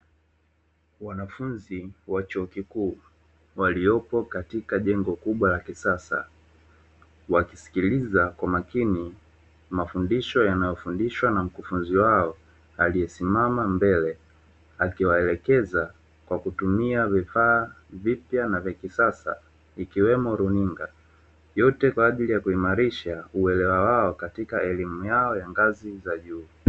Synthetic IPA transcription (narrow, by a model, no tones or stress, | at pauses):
wanafunziwat͡ʃuɔkikuː | waliɔpɔkatikaʄɛŋɡɔkuɓwalakisasa̰ | waki̥si̥kilizakwamakini | mafundiʃɔjanajɔfundiʃwanam̩kufunziwaɔ | alijɛsimamambɛlɛ | akiwaɛlɛkɛza | kwakutumiavifaː | vipjanavjakisasa̰ | ikiwɛmɔɾuniŋɡa̰ | jɔtɛkwaːʄilijakuimaɾiʃauɛlɛwawaɔkatikaɛlimujaɔjaŋɡazizaʄuː